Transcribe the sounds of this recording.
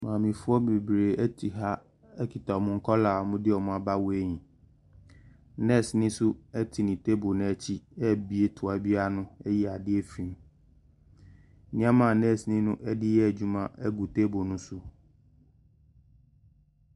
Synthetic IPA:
mãː˨mĩ˨fʊ˦ɔ˦be˨bɾe˨ɛ˦tʰi˨ɦa˦ | ɛ˦kʰi˨tʰa˨ɔ˨mʊ̃˦ŋ̩˦kʰɔ˦la˨mʊ̃˦dɪ˦ɔ˨mʊ̃˦a˦ba˦we˦ɲĩ˨ | nɛ̃˦˨snĩ˦sʊ˦ɛ˦tʰi˨nĩ˨tʰe˦bo˨nɛ̃˦˨t͡ɕʰi˦ɛ˦˨bi˦e˦tʰʊ˨a˨bi˦a˦nʊ̃˦ɛ˦ji˦a˨dɪ˦ɛ˦fĩ˨m˦ | nɪ̃˦ã˦mã˨nɛ̃˦˨snĩ˦nʊ̃˦ʔɛ˦dɪ˦jɛ˦æ˨d͡ʑu˦mã˦˨ɛ˦ɡu˨tʰe˦bo˨nʊ̃˦sʊ˦

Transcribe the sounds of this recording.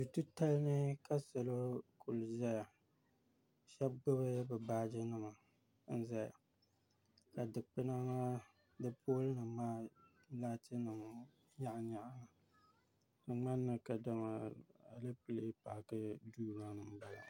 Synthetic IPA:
du˨tu˦ta˦lnɨ˦ka˦sa˨lo˦kʰʊ˨lzɛ˦ja˨ | ʃɛ˦b̚ɡ͡bʊ˦βɨ˦bɛ˨baː˦d͡ʒɪ˦nɨ˦ma˨ | n̩˦zɛ˦˨ | ka˨dɨ˨k͡pɨ˦na˦ma˦ | dɨ˦pʰoː˦lɨ˦nɨ˨maː˦ | laː˦tɨ˦nɨ˨m˨ | ɲa˦ʔɲa˨ʔa˦na˨ | ka˨ŋ͡ma˦nːɨ˨ka˨da˦ma˨a˨lɨ˦pɨ˨le˦pa˨kɨ˦duː˦na˦nɨ˨m˦ba˨la˨

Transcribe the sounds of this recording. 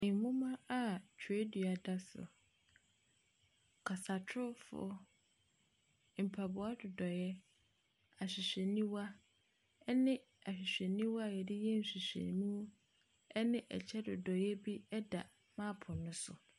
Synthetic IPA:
mũ˦mã˦a˦tʰe˦dɥa˨da˦sʊ̰˨ | kʰa˨sa˨tʰʊ˦fʊ̰˨˦ | m̩˨pʰa˨bʊ˨a˦dʊ˨dɔ˨jɛ˦ | a˨ɕᶣɪ˨ɕᶣɛ˨nĩ˦wa˦ | nɪ̃˦ | a˨ɕᶣɪ˨ɕᶣɛ˨nĩ˦wa˦˨jɛ˨dɪ˦jɛ˦n̩˨ɕᶣi˨ɕᶣḛ˨mũ˦ | ɛ˦nɪ̃˦ʔɛ̰˨t͡ɕʰɛ˦dʊ˨dɔ˨jɛ˦bi˦ɛ˦da˨ | mã˦pʰʊ̃˨nʊ̃˦sʊ̰˨

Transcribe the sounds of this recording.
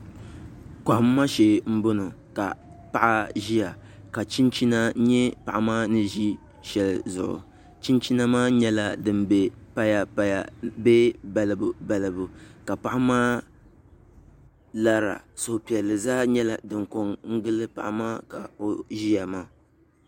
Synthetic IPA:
ka˨ʔʊ˨mː˦a˦ʃe˨m̩˦bo˦no˨ka˨pa˨ʔa˦ʒi˦ja˨ | ka˨t͡ʃi˦nt͡ʃi˦na˦ɲɛ˦pa˨ʔa˨maː˦nɨ˦ʒi˦ | ʃɛ˨lzʊ̰˨ʔʊ̰˨ | t͡ʃi˦nt͡ʃi˦na˦maː˦ɲɛ˦la˦dɨ˨mbɛ˦pa˦ja˨˦jbɛ˦ba˨lɨ˨bʊ˨ba˨lɨ˨bʊ˨ka˨pa˦ʔa˦maː˦ | la˦ɾa̰˨so˨hpi˨ɛ˨lɨ˨zaː˦ɲɛ˦la˨dɨ˨ŋko˦ŋŋ̩˦ɡɨ˦lɨ˦pa̰˨ʔa˨maː˦ka˨o˨ʒi˦ja˨maː˦

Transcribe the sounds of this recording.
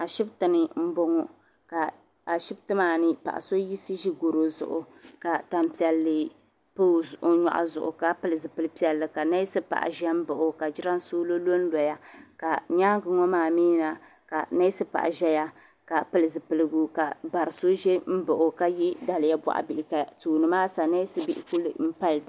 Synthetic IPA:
a˨ʃɪ˦btɨ˨nɨ˨m̩˦bo˦ŋɔ˨ | ka˨ | a˨ʃɪ˦b̚tɨ˦maː˦˨nɨ˦pa̰˨ʔa̰˨so˦ji˦sɨ˦ʒi˦ɡo˨ɾo˨zʊ̰˨ʔʊ̰˨ | ka˨ta˨m˨pi˨ɛ˨lːɨ˨ | pɨ˦o˦ɲɔ̰˨ʔa̰˨zʊ̰˨ʔʊ̰˨ka˨pɨ˨lɨ˨zɨ˨pɨ˦lɨ˦pi˦ɛ˨lːɨ˨ka˨na˦jsɨ˦pa̰˨ʔa̰˨ʒɛ˦m̩˦bɨ˨ʔʊ˦ka˨d͡ʒɪ˦ɾa˦n˦soː˦lo˦lo˦n̩˦lɔ˨ja˦ka˨ɲaː˦ɡɨ˨ŋɔ˦maː˦˨miː˦na˨ | ka˨na˦sɨ˦pa̰˨ʔʒɛ˦ja˦ | ka˨pɨ˨lɨ˨zɨ˨pɨ˨lɨ˨ɡu˦ka˨ba˨ɾɨ˨so˦ʒe˦m̩˦bʊ˨ʔo˨ka˦ji˦da˨lɪ˨ja˦ba̰˨ʔa̰˨bɪ˨ʔɪ˨ka˨tuː˨nɨ˨maː˦sa˨na˦sɨ˦bɪ˦ʔɪ̰˨ku˦lɨ̰˨m̩˦pa˦ld

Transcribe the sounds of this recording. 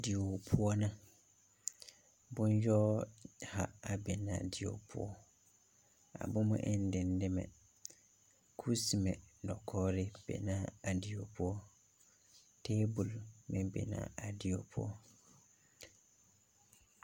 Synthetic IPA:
di˨o˨pʰʊ˦ɔ˦nã˦ | bʊ̃˦n˦jᶣɔ˦ha˨a˨bɛ˨nã̰ː˨dɪ˨o̰˨pʰʊ̰˦ɔ˦ | a̰˨bʊ̃˦mʊ̰̃˦ʔɪ˦n̩˦dɪ̃˨n˦dɪ˦mɛ̰̃˨ | kʰu˦si˨mɛ̃˨dɔ˨kʰɔː˦ɾɪ˦b̥ɛ̰˨nã˦a˨di˨o˨pʰʊ˦ɔ˦ | tʰeː˦bu˨lmɪ̃˦bɛ̰˨nã̰˨a˨dɪ˨o˨pʰʊ˦ɔ˦

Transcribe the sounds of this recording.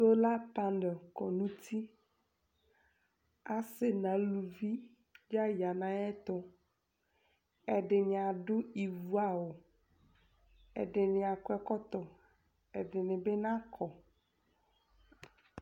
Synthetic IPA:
o˦la˦pã˦ndɔ˨kɔ˨nũ˦t̪ʰi˦ | a˨sɪ˦nã˨lu˨vi˦ | d͡ʒa˦ja˨nã˨ɛ˦t̪ɔ˦ | ɛ˨ɖɪ˨ɲ˨a˨ɖʊ˦i˨vu˨˦a˨wo˨ | ɛ̰˨ɖɪ˨nɪ̃˨a˨kɛ˦˨kɔ˦t̪ɔ˨ | ɛ˨ɖɪ˨nɪ̃˨be˦nã˦kʰɔ˨

